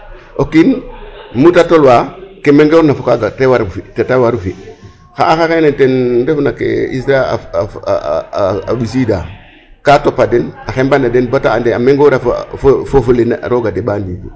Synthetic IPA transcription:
ʔokinmutatolwakemeŋɡoɾnafokaɡatewaɾfitetawaɾufi | xa̰ːxaxenetendefunakḛisɾaa̰ | a̰ɓis̬iːda | katopːadenaxembanadenbataandeameŋɡoɾafffofulena̰ɾoɡadeɓaːndinɡṵ

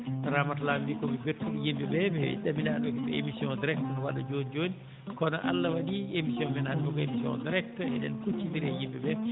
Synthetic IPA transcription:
ɾamatlamdikɔmiɡeɾtuɗijimbɛbɛbɛḭɗamidaɗɔkibɛḛmisiɔndiɾɛk̚tɔnɔwalːad͡ʒond͡ʒoni | kɔnɔʔa̰lːawaɗiemisiɔnmɛnanbukɔemisiɔ̰ndiɾɛk̚tɔɛ̰dɛ̰nkut͡ʃːidiɾɛjimbɛbɛ

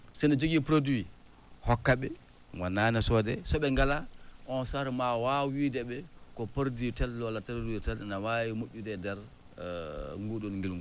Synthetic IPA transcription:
sɛnad͡ʒoɡipɾodwi | hɔkːaɓɛ | ŋwanːanasɔdɛsɔɓɛŋɡalaʔɔnsaɾmawawidɛɓɛkɔpəɾditɛlːɔlataɾdiutɛlnawajimoʔʲːudɛdɛɾ | ŋɡuɗɔnŋɡilŋɡu

